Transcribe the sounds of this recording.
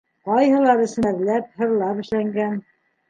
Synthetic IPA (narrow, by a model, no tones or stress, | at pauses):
qɑjhɤ̆lˠɑɾɘ̆sɘ̆mæðlæp̚hɤ̆ɾlˠɑpɘ̆ʃlæŋɡæn